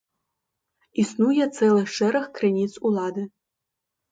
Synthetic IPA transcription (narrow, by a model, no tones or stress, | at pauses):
isnujɛt̪t͡s̪ɛlˠɨxʂɛɾɐxkrenʲit̪sulˠɑd̪ɨ